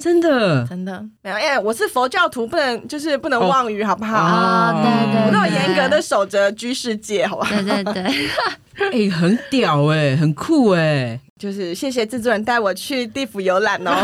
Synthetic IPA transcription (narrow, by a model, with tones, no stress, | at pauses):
ʈ͡ʂə˦˥nd̪ə˨ə˥nd̪ə˨me˧˥jo˨˩˧wɔ˨˩ʂɻ̩˥˩fo˧˥ʊt͡ɕjɑ˥˩ʊt̪ʰu˧˥pu˥˩nə˧˥ŋt͡ɕjo˥˧ʊʂ̬ɻ̩˥˧pu˥˩nə˧˦ŋwɑ˥˩ŋy˧˥xɑ˨˩ʊpu˥˩xɑ˨˩˦ʊt̪we˥˩w̪jɛ˧˥nkɤ˧˥d̪ə˧ʂo˨˩ʊʈ͡ʂə˦t͡ɕy˥nʂɻ̩˥˧t͡ɕjɛ˥˩xɑ˨˩˦a˥˨˥e˥˩ | e˥˩ɪxə˧˦nt̪jɑ˨˩ʊe˥˧ɪxə˨˩nkʰu˥˩e˨˩ | t͡ɕjo˥˧ʊʂɻ̩˥˧ɕjɛ˥˩ɕ̬jɛ˨˩ʈ͡ʂ̩˥˧t͡sɔ˥˩ɻə˧˥nt̪a˥˩ɪwɔ˨˩t͡ɕʰy˥˧t̪i˥˩fu˨˩jo˧˥ʊla˨˩nɔ˦